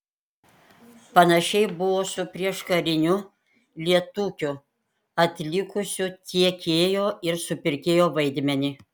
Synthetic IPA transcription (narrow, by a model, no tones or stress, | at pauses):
pɐnɐʃʲɛɪbʊʋoːsʊpʲɾʲiɛʃkɐɾʲɪnʲʊ | lʲiɛt̪uːkʲʊ | ɐt̪ʲlʲɪkʊsʲʊt̪ʲiɛkʲeːjoːɪɾsʊpʲɪɾʲkʲeːjoːʋɐɪd̪ʲmʲɛnʲɪ